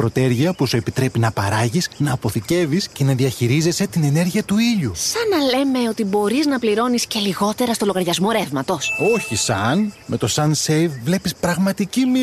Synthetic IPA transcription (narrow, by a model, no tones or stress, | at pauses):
pɾo̞t̪e̞ɾʝiɐpusue̞pit̪ɾe̞pinɐpɐɾɐʝisnɐːpo̞θice̞visce̞nɐðiɐçiɾize̞se̞t̪ine̞ne̞ɾʝiɐt̪uiʎusɐnɐle̞me̞o̞t̪ibo̞ɾiznɐpliɾo̞nisce̞liɣo̞t̪e̞ɾɐst̪o̞lo̞ɣɐɾʝɐzmo̞ɾe̞vmɐt̪o̞so̞çisɐnme̞t̪o̞sɐnsejvvle̞pispɾɐɣmɐt̪icimi